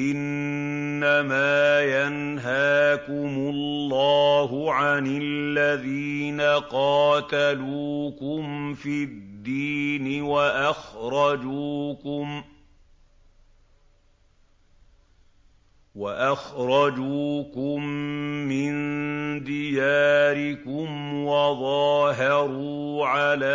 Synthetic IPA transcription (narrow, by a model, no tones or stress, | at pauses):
ʔɪnː | amaːjan | ɦaːkʊmʊlːɑːɦʊʕanɪllːaðiːnaqɑːt̪aluːkʊmfidd̪ːiːnɪwaʔaxɾˤɑd͡ʒuːkʊm | waʔaxɾˤɑd͡ʒuːkʊmːɪnd̪ɪjaːɾɪkʊmwɑðˤɑːɦɑɾuː | ʕalaː